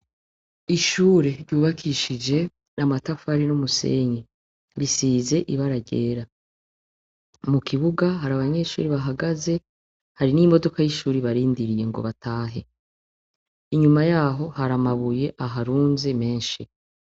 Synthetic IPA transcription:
iʃuːɾeɾɟuːβakʰiʃid͡ʒe̞ | namatafaɾinumuse̞̰ːɲi | βisiːze̞ʔiβaɾaɟeːɾa | mukʰiβuɡaɦaɾaβaɲe̞ʃṵːɾiβaɦaɡaze̞ | haɾinimo̞do̞kajiʃuːɾiβaɾiːndiɾije̞ŋɡo̞̰βatʰaːɦe̞ | iɲumajaːɦo̞haɾamaβuje̞ʔaɦaɾuːnze̞me̞ːnʃi

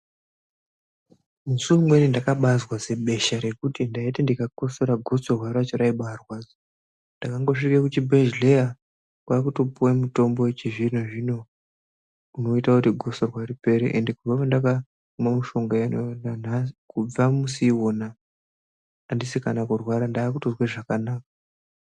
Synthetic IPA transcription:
musuwemwe̞nindakaɓazwaze̞ɓe̞ʃaɾe̞kutindaitendikako̞se̞ɾaɡʱo̞sorwaɾat͡ʃoɾaiɓarwaːd͡zo | ndakaŋɡo̞ʂikekut͡ʃibʱeʒleja | kwakutopuwemuto̞mbo̞wet͡ʃiʐin̤oʐino̞ | uno̞itakutiɡʱo̞sorwaripe̞ɾḛʔendekuvapandaka | umamuʃo̞ŋɡaenonanaikub͡vamusiwona | ndisikanakurwaɾandaːkutozweʐakanaːk̚a

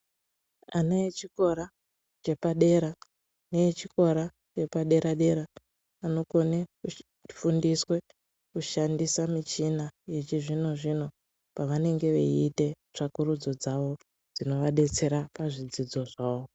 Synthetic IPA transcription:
aneit͡ʃiko̞ɾa | t͡ʃe̞paɗe̞ɾa | neet͡ʃiko̞ɾa | t͡ʃe̞paɗe̞ɾaɗe̞ɾaː | no̞ko̞neku | fundiswe̞ | kuʃandisamit͡ʃinaje̞t͡ʃiʐino̞ʐino̞ | paʋane̞ŋɡe̞ʋḛiːte̞ | t͡ʂakuɾud͡zo̞d͡zaʋo̞ | d͡zino̞ʋaɗe̞t͡se̞ɾapaʐid͡zid͡zo̞ʐaːwo

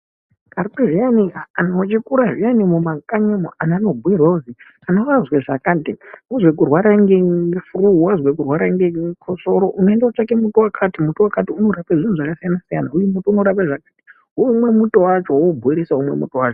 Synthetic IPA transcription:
kaɾpiʐianiaanot͡ʃikuɾaʐijanimumakaɲamoʔananobʱuirwauzi | anowazweʐakaːntiuzwek̬urwaɾaŋɡeɡefuruwazwek̬urwaɾaŋɡekʰoso̞ɾoʔuno̞endaot͡ʃake̞mutuwakʰatimutowakatiuno̞rapeʐinuʐakasijanasijanaujemutounoɾap̬eʐakaːti̥ | umwe̞mutowat͡ʃo̞wobʱoiɾisaumwe̞̰mṵtowaːt͡ʃo

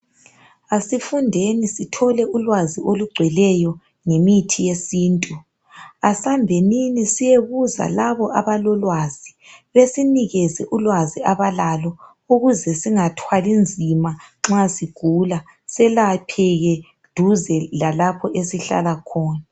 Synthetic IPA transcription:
asifundʱenisitʰɔlɛulwaziʔoluɡ͡ǀʱwɛlɛjɔ | ŋemitʰijesiːntʼu | asambʱeninisijeɣuza̰laβɔʔaβalɔlwaz̥iβesiniɣɛzɛʔulwaziaβalalɔ | uɣuzɛsiŋatʰwalind͡zʱimaŋ͡ǁasiɡ̥ʱula | sɛlapʰɛɣɛ | d̥ʱuzɛlalapʰɔʔesiɬa̰lakʰɔːna

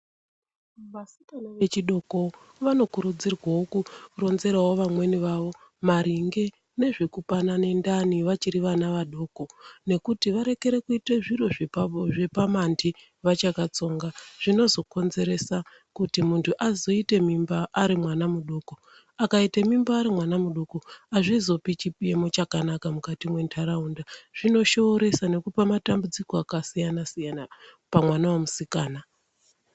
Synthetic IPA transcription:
masikanoʋe̞t͡ʃiɗo̞ko̞ | ʋano̞kuɾud͡zirwaokuro̞nze̞ɾawo̞ʋamwe̞niʋaʋo̞ | maɾiŋɡe̞ | ne̞ʐekupanane̞ndaniʋat͡ʃiɾiʋanaʋaɗo̞ːko̞ne̞kutiʋaɾe̞ke̞ɾe̞kuiteʐiro̞ʐepapoʐe̞pamandʰi | ʋat͡ʃakat͡so̞ːŋɡaʐ̥ino̞zo̞ko̞nze̞ɾe̞sa | kutimuntʰuʔazo̞ite̞mimbaʔːɾimwanamuɗoːko̞ | akaitemimbaːɾimwanamuɗokoaʐizo̞pit͡ʃipjemot͡ʃakanakamukatimwe̞ntʰaɾaundaʐ̥ino̞ʃo̞ːɾe̞sane̞kupamatambud͡ziko̞akasijanasijana | pamwanawamusikaːna

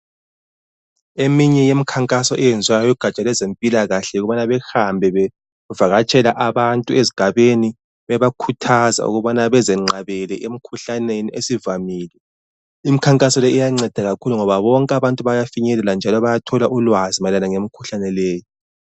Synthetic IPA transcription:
emiɲɛjemikʰaŋkʼasɔʔɛjɛnd͡zʱwajɔjiɡ̥ʱat͡ʃʼalɛzempʼilaɣaɬɛuɣuβanaβɛxambʱɛɛ | uvaɣat͡ʃʼɛlaʔaβantʼueziɡ̥ʱaβeni | βɛβakʰutʰaza̰ṵɣuβanaβɛzɛŋ͡ǃaβɛlɛʔemikʰuɬaneniʔesivamiːlɛ | imikʰaŋkʼasɔlɛujaŋ͡ǀɛd̥ʱaɣakʰuluŋɔβaβɔŋkʼaβantʼuβajafiɲɛlɛland͡ʒʱalɔβajatʰɔlaʔulwazimalanaŋemikʰuɬanɛlɛːji

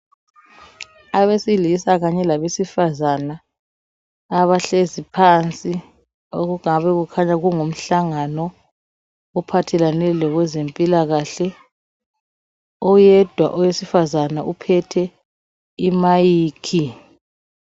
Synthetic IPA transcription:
aβesilisaɣaɲɛlaβesifazana | βaɬezipʰant͡sʼi | oɣuɣaβɛɣukʰaɲaɣuŋum̩ɬaŋanɔː | pʰatʰɛlanɛlɔɣwɛzempʼilaɣaɬɛ | ɔjɛd̥ʱwa̰ʔɔwesifazanaʔupʰɛtʰɛ | imajiːkʰi

